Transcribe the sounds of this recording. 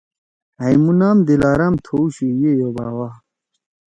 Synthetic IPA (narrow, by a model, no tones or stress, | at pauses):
ɐjmunaːmd̪ilaːɾɐmt̪ʰouɕujejoba̰ːwa